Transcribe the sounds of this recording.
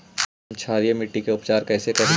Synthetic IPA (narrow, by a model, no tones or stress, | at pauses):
nt͡ʃʰaːɾijemɪʈːikeʊpt͡ʃaːɾkɛːsekɐ